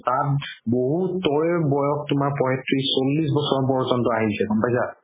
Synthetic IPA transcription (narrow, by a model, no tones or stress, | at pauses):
tat̚boɦutːɔɹbɔjɔk̚tʊmaɹpɔɦɛtɹisolːis̬bɔsɔɹɔpɔɹzɔntɔaɦisɛɡɔmpajsa